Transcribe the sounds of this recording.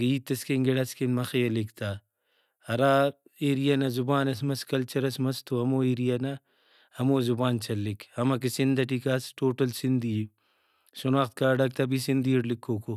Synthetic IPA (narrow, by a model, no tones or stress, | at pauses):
ɡɐiːt̪ːɐskeŋɡeɽɐskenmɐxejɐlikt̪ʰaː | ɐɾaː | eːɾijanɐzubaːnɐsmɐskɐlt͡ʃɐɾɐsmɐst̪oɐmoːeːɾijɐnɐ | hɐmoːzubaːnt͡ʃʰɐlːikʰhɐmɐk̬isind̪ɐʈikaːsʈoːʈɐlsind̪i | sunaːxt̪̚kaːɖɐk̚t̪ʰɐbisind̪iːɽlikʰːoːko